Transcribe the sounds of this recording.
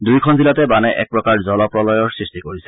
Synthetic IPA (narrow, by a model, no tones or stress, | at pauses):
dujkʰɔnzilatɛbanɛʔɛ̰k̚pɹɔkaɹzɔlɔpɹɔlɔjɔɹsɹistikoɹisɛ̥